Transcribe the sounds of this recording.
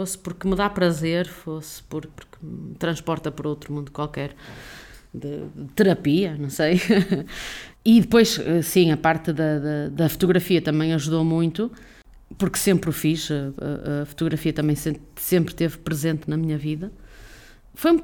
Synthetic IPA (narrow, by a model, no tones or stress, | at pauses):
fospuɾkɨmɨðapɾɐzeɾfospuɾpuɾkt̪ɾɐ̃ʃpɔɾt̪ɐpɔɾowt̪ɾumũnd̪ukwalˠkɛɾ | ðɨðɨt̪ɨɾɐpiɐnɐ̃w̃sej | iðɨpojʃɛsĩɐpaɾt̪ɨðɐðɐðɐfu̥t̪uɣɾɐfiɐt̪ɐmɐ̃j̃ɐʒuðomũj̪̃t̪u | puɾksẽmpɾufiʃɐɐ̰ɐ̰fu̥t̪uɣɾɐfiɐt̪ɐmɐ̃j̃sẽsẽmpɾt̪evpɾɨzẽnt̪nɐmiɲɐviðɐ | foj̃